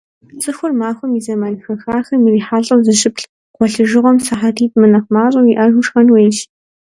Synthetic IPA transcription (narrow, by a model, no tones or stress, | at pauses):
t͡sʼɨxʷʊrmaːxʷɔmizɐmanxɐxaːxɐmiriːħaːɮɬʼɐwzɨʃɪpɬ | qʷɔɬɨʒɨʁʷɔmsaħatʰiːtʼmɨnɐχmaːɕʼɐmiʔɐʒuʃxɐnweːjʃ